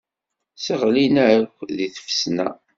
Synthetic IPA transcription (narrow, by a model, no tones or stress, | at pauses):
səʁlinæɾəkʷːðiθə̥fə̥snæ̰